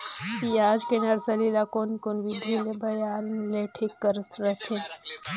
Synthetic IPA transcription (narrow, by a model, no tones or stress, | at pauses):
kiaːd͡ʒkenɐɾsɐlilakoːnkonbid̪ʱilebʱɐjaːnleʈʰikːəɾt̪ʰɾɐt̪ʰẽ